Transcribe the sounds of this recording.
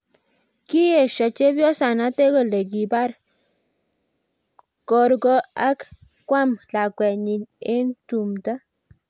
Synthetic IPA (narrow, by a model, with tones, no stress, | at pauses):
ki˦je˨ʃɔ˨t͡ʃe˦bjɔ˦sa˨na˦te˦ko˨le˨k̬i˨ba˦ɾ | kɔ˨ɾɡɔ˦a˦k | kwa˦mla˨kwɛ˨ɲi˨ɲe˦ntu˨mta˦